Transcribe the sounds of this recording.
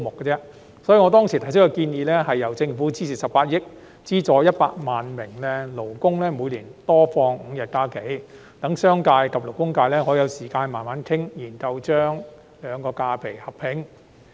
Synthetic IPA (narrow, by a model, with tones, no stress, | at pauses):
mʊ˨kːɛ˧t͡sɛː˥ | sɔ˨˥ji˨˧ŋɔ˨˧t̪̬ɔː˥ŋsiː˨˩t̪ʰɐ˨˩js̬ɪ˥kːɔ˧kiː˧njiː˨˧lɛː˥ɦɐ˨jːɐ˨˩wt͡sɪ˧ŋfuː˨˥t͡siː˥siː˨˩sɐ˨p̚paː˧t̚jɪ˥k̚ | t͡siː˥t͡sɔː˨˧jɐ˥t̚paː˧k̚maː˨˩nmɪ˨˩ŋlɛ˥lo˨˩wkʊ˥ŋlɛː˥muː˨˧jliː˨˩nt̪ɔː˥fɔː˧ŋŋ̩˨˧jɐ˨t̚kaː˥ke˨˥j | t̪ɐ˨˥ŋsœː˥ŋkaː˧jkɐ˨p̚lʊ˨˩k̚kʊ˥ŋkaː˧jlɛː˥ŋɔː˨˥jɐ˨˧wsiː˨˩kaː˧nmaː˨nmaː˨˥nt̪ʰɪ˥ŋjiː˨˩nkɐ˧wt͡ʃœː˥ŋ | lœː˨˧ŋkɔː˧kaː˧pʰe˨˩jhɐ˨p̚pʰɪ˨˥ŋ